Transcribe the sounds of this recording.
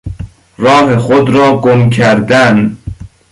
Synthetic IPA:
ɾɒːɦexod̪ɾɒːɡomkʰæɾd̪æn

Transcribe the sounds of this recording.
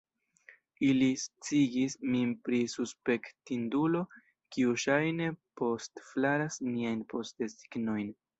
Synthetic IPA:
ilist͡siɡismipɾisuspe̞ktindulo̞ | kiuʃajne̞po̞stflaɾasmiajnpo̞stesi̥ɡno̞jn

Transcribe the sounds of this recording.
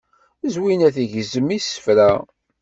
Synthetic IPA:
zwinæθiʝəzəmisə̥fɾæ

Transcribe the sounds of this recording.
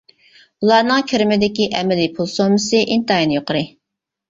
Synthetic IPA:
ulˠɑɾnɨŋkʲʰiɾɪmɪd̪ɪkʲiʔɛmɛlipʰulˠsomɨsɨʔint̪ɑjnɨjoqʰəɾɨ

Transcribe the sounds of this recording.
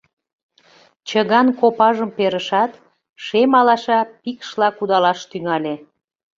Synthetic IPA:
t͡ɕəɣɑnkopɑʒəmpeɾəʃɑt̪ | ʃemɑlɑʃɑpikʃlɑkud̪ɑlɑʃt̪yŋɑlʲe

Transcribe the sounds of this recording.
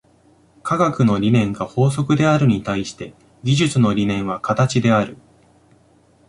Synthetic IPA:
kʰaɡakɯ̟no̞ɾʲinẽ̞ŋɡaho̞ːs̬o̞kɯ̟d̪e̞aɾɯ̟ɲ̟it̪aiɕi̥t̪e̞ | ɡʲiʑɨt͡sɨno̞ɾʲinẽ̞ɰ̃βakat̪at͡ɕid̪e̞aɾɯ̟

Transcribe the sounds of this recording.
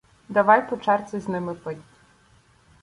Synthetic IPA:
d̪ɐʋɑjpɔt͡ʃɛrt̪sɛznɪmɪpɔdʲ

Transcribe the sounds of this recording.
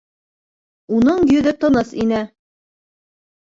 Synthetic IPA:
unɤɴjɵ̆ðɘt̪ɤ̆nɤsinɘ

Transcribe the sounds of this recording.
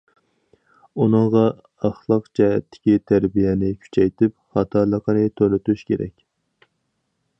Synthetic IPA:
unɨŋʁɑ | ɑχlˠəqd͡ʒɛɦɛ̰t̪ːɪ̥kʲit̪ʰæɾbijɛnɪkʲʰy̥t͡ʃʰɛjt̪ʰɪp̚χɑt̪ʰɑɾlˠəqʰənɨt̪ʰølyt̪yʃkʲeɾɛ̰kʲ

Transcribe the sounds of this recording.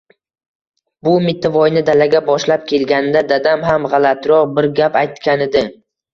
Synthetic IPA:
bʊmɪt̪ʰːavɒjnɪd̪alaɡʲabɒʃlap̚kʲʰe̞lɡʲanɪd̪ad̪ad̪amɦamʁɑlat̪ɾɒqbɪɾɡʲapajt̪kʲanɪd̪ɪ

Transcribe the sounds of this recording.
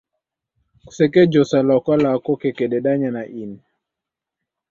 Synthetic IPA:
ku̥sɛkɛd͡ʒɔsalaɔkwalaːkɔkɛkɛɗɛɗaɲanaʔin

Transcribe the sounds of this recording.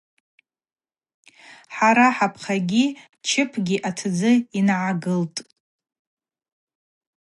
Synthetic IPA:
ħaɾaħapʰχaɡʲi | t͡ʃʰɪpʰɡʲiʔatʰd͡zɨinʕaɡɨltʼ

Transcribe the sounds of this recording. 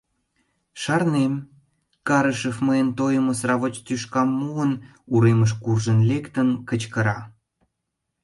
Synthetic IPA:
ʃɑrnem | kɑɾəʃəfməənt̪ojəməsrɑβot͡ɕt̪yʃkɑmːuən | uɾeməʃ̬kurʒənlekt̪ənkət͡ɕkəɾɑ

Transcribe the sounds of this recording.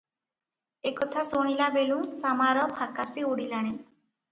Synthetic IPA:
ekɔt̪ʰasoɽ̃ilabelũsamaɾɔbʱakasiuɽilaɽ̃e

